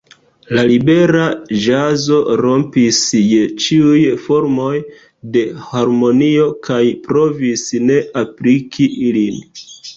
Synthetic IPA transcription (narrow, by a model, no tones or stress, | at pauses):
lalibe̞ɾaʒazo̞ɾo̞mpisjet͡ʃiujfo̞ɾmo̞j | de̞haɾmo̞nio̞kajpɾo̞visne̞ʔaplikʰiʔilin